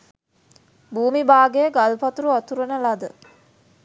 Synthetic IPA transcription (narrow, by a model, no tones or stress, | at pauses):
buːmibaːɡejəɡalpɐt̪uɾuat̪uɾənəlad̪ə